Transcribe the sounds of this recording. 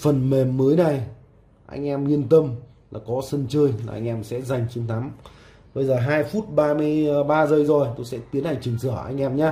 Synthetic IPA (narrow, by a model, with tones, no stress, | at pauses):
fə˨˩nme˨˩mːəː˨˦jna˨˩j | ʔa̰˧jŋ̟ʔɛ˧mɲi˧ənt̪ə˧m | laː˨˩kɔ˨˦sə˧nt͡ɕəː˧jlaː˨˩ʔa̰˧jŋ̟ʔɛ˧msɛ̰˧˥za˨˩jŋ̟t͡ɕi˨˦nt̪ʰa˨˦m | ɓə˧jzəː˨˩ɦaː˧jfu˦˥t̚ɓaː˧mɨ˧əjɓaː˧zə˧˩jzo˨˩jt̪o˧jsɛ̰˧˥t̪i˨˦ənʔa˧˩ŋ̟t͡ɕɨ˨˩ŋsə˧˩əʔa̰˧jŋ̟ʔɛ˧mɲaː˧